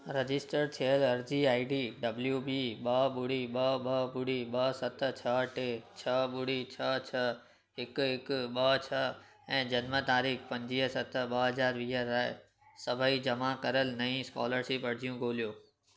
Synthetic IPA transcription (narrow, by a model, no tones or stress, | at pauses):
ɾɐd͡ʑɪsʈəɾt̪ʰeəlɐɾd͡ʑiaːiɖiɖɐbljubiːɓɐɓʊɽiɓɐɓɐbʊɽiɓɐsɐt̪ʰt͡ɕʰɐʈeːt͡ɕʰɐɓʊɽit͡ɕʰɐt͡ɕʰɐ | ɦɪkɦɪkʊɓɐt͡ɕʰɐ | ɛ̃ːd͡ʑɐnmət̪aːɾiːkpɐ̃ɲd͡ʑiːɦəsɐt̪ɓɐɦɐzaːɾʋiːɦəɾa | sɐbʱaid͡ʑɐmakɐɾəlnɐĩskɔ̰ːləɾsipɐɽd͡ʑijũɡoːlijoː